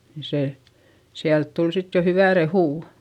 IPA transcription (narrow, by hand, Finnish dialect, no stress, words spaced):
ni se siælt tul sit jo hyʋæ rehuˑ